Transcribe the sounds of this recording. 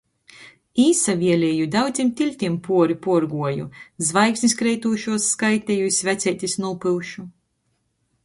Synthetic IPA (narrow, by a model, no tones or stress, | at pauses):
iːsavʲiɛlʲɛːjud̪awd̪zʲimt̪ʲilʲt̪ʲimpuɔɾipuɔɾɡuɔjṵzvajksniskɾɛjt̪uːʃuɔsːkajt̪ʲɛjuisʲvæt̪sʲɛjt̪ʲisnulˠpɨlˠʃu